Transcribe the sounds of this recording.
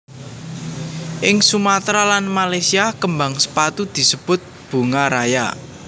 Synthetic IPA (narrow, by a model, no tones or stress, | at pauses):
ʔɪŋsumat̪ɾalanmalajsiakəmbaŋsə̥pat̪ud̪̥i̤səb̥ʊ̤t̪̚b̥ṳŋaɾaja̰